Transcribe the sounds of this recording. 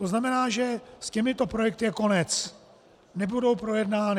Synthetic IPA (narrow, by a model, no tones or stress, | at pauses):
t̪oznamɛnaːʒɛscɛmɪt̪o̞pɾo̞jɛk̚t̪ɪjɛko̞nɛt͡s | nɛbudo̞wpɾo̞jɛdnaːnɪ